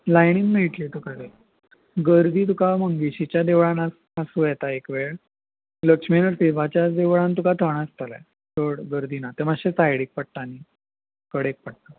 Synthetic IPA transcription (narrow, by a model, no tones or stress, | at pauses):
lajɳiŋɡmeiʈ̪lit̪ukaɾe | ɡəɾd̪ʱiːt̪ukaməŋɡiɕit͡ɕjad̪eʋɭana | asujɛt̪aekʋeɭ | ləkʂminəɾt̪ibat͡ɕjad̪eʋɭãnt̪̬ukat̪ʰəɳast̪əlɛ̰ | t̪oɽɡəɾd̪iːnat̪eməɕet͡sajɽik̚pəɽ̚t̪ani | kəɽek̚pəɽ̚t̪ə